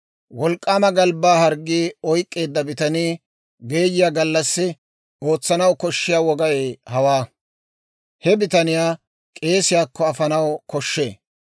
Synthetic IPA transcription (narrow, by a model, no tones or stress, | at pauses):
wɔlkʼːaːmɐɡɐlbaːhɐɾɡːiːɔjkʼːe̞ːd̪ːɐbɪt̪ɐniː | ɡe̞ːjɪjaːɡɐlːɐsːɪ | o̞ːt͡sːɐnɐwkɔʃːɪjaːwɔɡɐeːhɐwaː | hɛbɪt̪ɐnɪjaː | kʼe̞ːsɪjaːkːɔɐfɐnɐwkɔʃːe̞ː